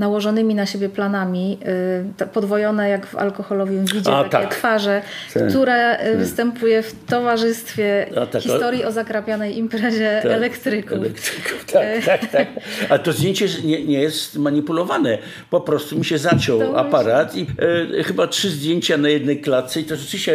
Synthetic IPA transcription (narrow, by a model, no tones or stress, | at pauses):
nawɔʐɔnɘmʲinaɕebʲjɛplanamʲi | pɔd̪vɔjɔnɛjaɡva̰lkɔxɔlɔvʲjɛvʲid͡ʑɛaat̪a̰ɛkt̪faʐɛk̪uɾavɨst̪ɛmpujɛft̪ɔvaʐɘst̪fʲjɛat̪akxit̪ɔɾjiʔɔzakɾapʲjanɛjʔimpɾɛʑɛːlɛkt̪ɾɘkulɛkt̪ɾkut̪akt̪akt̪ak̚aɛt̪ɔzd̪ʲjeɲt͡ɕɛɲɛɲɛjɛst̪maɲipulɔvanɛ | pɔpɾɔst̪umʲiɕɛzat͡ɕɔwa̰paɾat̪ixɘbatʂɘzd̪ʲjeɲt͡ɕanajɛd̪nɛjklat̪sɛit̪ɔʐɛt͡ʃɨvʲiɕt͡ɕɛ